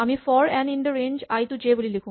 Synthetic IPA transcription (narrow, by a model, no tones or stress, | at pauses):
amifɔɾɛ̃niɳɖəɾend͡ʒajt̪ud͡ʑebolilekʰu